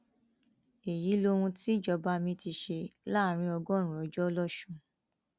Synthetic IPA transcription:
e˨ji˨˦lo˧ɾũ˧ti˦˨d͡ʒɔ˧ba˧mĩ˧ti˧ʃe˧la˦˨ɾ̃ĩ˧ɔ˧ɡɔ˦˨ɾ̃ũ˨ɔ˨˦d͡ʒɔ˦lɔ˦˨ʃũ˦˨

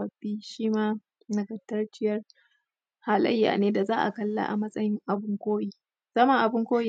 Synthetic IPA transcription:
ɐ˨ɸiː˦ʃiː˦maː˦ | nɐ˨ɡɐ˨tːɐ˦rt͡ʃɪ˦jɐ˦r | ha˨lɐ̰˦jːa̰ː˨neː˦da˨zaː˦ʔa̰˨kɐ˦lːa̰˨ʔa̰˨mɐ˦sʼɐ˦jɪ˦ŋʔa˨bʊ˦ŋkʷoː˦jiː˦ | z̥ɐ˦ma˨ʔa˨bʊ˦ŋkʷoː˦ji˦˨

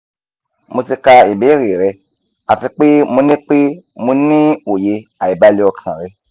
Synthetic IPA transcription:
mo˧ti˧ka˧i˨be˨˦ɾe˨ɾɛ˧ | a˨ti˧k͡pe˦mõ˧nẽ˦k͡pe˦mõ˧nĩ˦o˨je˧a˨i˨ba˧˦li˧˦ɔ˧kʰã̰˨ɾɛ˧˦

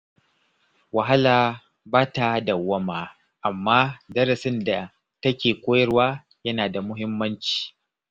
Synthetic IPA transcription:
wɐ˨ɦa˦laː˨ | baː˦ta˨dɐ˨wːɐ˦maː˨ | ʔa˨mːaː˦dɐ˦ɾɐ˨sɪ˦nda˨ | tɐ˦kʲeː˨kʷʼoː˦jɐ˦ɽwaː˦ | jɐ˦naː˨da˨mʊ˦ɦɪ˦mːɐ˦nt͡ʃi̥ː˨

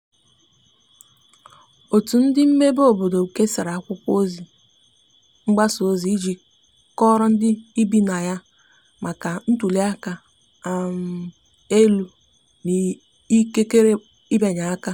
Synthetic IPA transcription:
o˨tu˨n̩˦dɪ˦m̩˦me˦bo˦˨bo˨do˨u˨ke˦sa˨ɾa˨a˦kʷʊ˦kʷo˦zi˨ | ŋ͡m̩˦ɡ͡ba˦so˦zi˨i˦d͡ʒi˨ | kɔ˦ɾɔ˦n̩˦dɪ˦i˦bi˦na˨ja˦ | ma˨ka˨n̩˦tu˨li˦a˦ka˦ | a˨m̩˨ | e˦lu˨ | ni˨ | i˦ke˦ke˦ɾe˦ | i˦be˨ɲa˨a˦ka˦

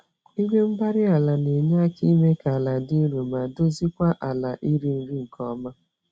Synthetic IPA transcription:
i˦ɡʷe˦m̩˦ɡ͡ba˦ɾɪ˦a˨la˨ne˨ɲa˦ki˦me˦ka˨la˨di˦ɾo˨ma˨do˦zi˦kʷa˦ʔa˨la˨ʔi˦ɾi˦n̩˦ɾi˦ŋ̩˨kɔ˦ma˦

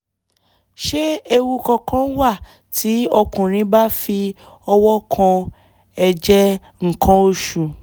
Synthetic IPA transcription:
ʃe˦e˧wu˧kɔ̃˧kʰã˦wa˦˨ | tʰi˨˦ɔ˧kũ˨ɾ̃ĩ˨˧˦ba˦fi˧ | ɔ˧wɔ˦kʰã˧ | ɛ˧d͡ʒɛ˦ | ŋ̩˨kã˨˧o˦ʃu˨

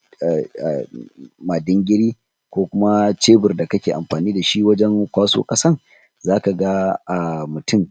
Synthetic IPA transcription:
ma˨dɪ˦ŋɡʲɪ˦ɽiː˦ | kʷoː˦kʷʊ˦ma˦t͡ʃeː˦bʊ˨rda˨kɐ˦kʲeː˨ʔa̰˨mɸaː˨niː˦da˨ʃi˦wɐ˦d͡ʒɛ˦ŋkʷaː˦so̰ː˦kʼɐ˦sɐ˦r | zaː˦ka˨ɡa˦ʔa˨mʊ˨tʰʊ˦m

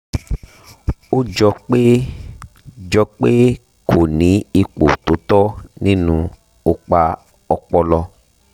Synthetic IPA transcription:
o˦d͡ʒɔ˧k͡pe˦ | d͡ʒɔ˧k͡pe˦ | kʰo˨nĩ˨˦i˧k͡po˨t̪o˨˦t̪ɔ˦nĩ˦nũ˧ | o˧k͡pa˧ | ɔ˧k͡pɔ˦lɔ˧

